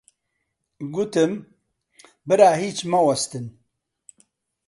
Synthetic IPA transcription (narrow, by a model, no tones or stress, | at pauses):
ɡut̪ɨm | bɨɾaːɦiːt͡ʃmɐwɐst̪ɨn